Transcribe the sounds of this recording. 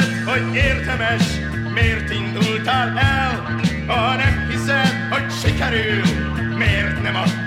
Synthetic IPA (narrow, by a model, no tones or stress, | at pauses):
t̪hoɟeːrd̪ɛmɛʃ | meːrt̪ind̪ult̪aːlɛl | ɒnɛmhisɛt̪hoɟʃikɛɾyl | meːrt̪nɛmɒ